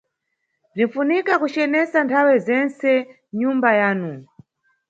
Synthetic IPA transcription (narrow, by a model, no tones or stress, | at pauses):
b͡ʐin̩funikakut͡ʃɛnɛsantʰawɛzɛnsɛ | ɲumbajaːnu